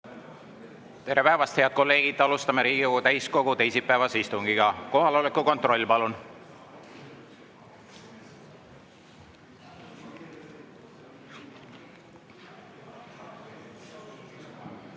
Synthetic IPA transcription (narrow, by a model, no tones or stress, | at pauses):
t̪e̞ɾe̞pæevɑst̪he̞ɑd̪̥̚ko̞lːe̞ːɡ̥id̪ˑɑlust̪ɑmeɾiːɡioɡut̪æjsko̞ɡ̥ut̪e̞jsipːæevɑsist̪uŋɡiɡ̥ɑko̞ɦɑlo̞lekːˑuko̞nt̪ro̞lʲːpɑlun